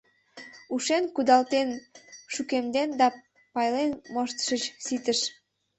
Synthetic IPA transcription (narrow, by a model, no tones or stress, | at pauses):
uʃenkud̪ɑlt̪enʃukemd̪end̪ɑ | pɑjlenmoʃt̪ʃət͡ɕsit̪əʃ